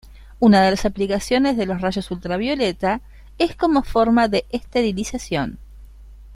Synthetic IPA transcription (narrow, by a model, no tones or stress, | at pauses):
unaðelasaplikasjo̞nezðe̞lo̞sraʒo̞sult̪ɾaβ̞jo̞let̪a | esko̞mo̞foɾmaðeʔest̪eɾilisasjo̞̰n